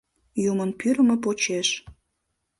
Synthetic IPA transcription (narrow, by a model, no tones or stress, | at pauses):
jumənpyɾəmə̆p̬ot͡ɕeʃ